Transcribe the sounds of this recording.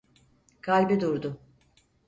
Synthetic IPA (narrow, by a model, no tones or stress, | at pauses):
kʰalʲbɛd̪uɾd̪ʊ